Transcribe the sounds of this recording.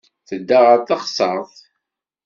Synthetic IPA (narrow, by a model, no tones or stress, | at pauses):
θəd̪ːaʁəɾθɑχsˤɑɾˤθ